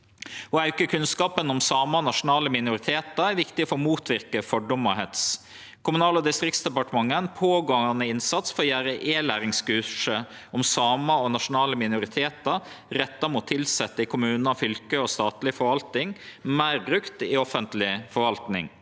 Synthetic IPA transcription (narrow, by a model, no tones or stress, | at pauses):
hɔæʉkːəkʰʉnskɑːpənɔmsɑːməɔnɑʂʊnɑːləmɪnʊɾɪt̪ʰeːt̪əæɾʋɪkt̪ɪfɔɔmuːt̪ʰʋɪɾkəfɔɖʊmɔɦɛt̪s | kʰʊmʉnɑːləd̪ɪst̪ɾɪk̚t̪sd̪ɛpɑʈəmɑŋːənpʰoːɡɑŋɑnəɪnsɑt̪sfɔɾɔjæːɾəʔeːlæːɾɪŋskʉʂə | ɔmsɑːməɔnɑʂʊnɑːləmɪnʊɾɪt̪ʰeːt̪ə | ɾɛt̪ːɑmuːt̪ʰːɪlsɛt̪ːəɪkʰʊmʉːnnɑfʏlkəɔst̪ɑːt̪lɪfɔɾʋɑlt̪nɪŋmæɪɾbɾʉkt̪ɪɔfənt̪lɪfɔɾʋɑlt̪nɪ̰ŋ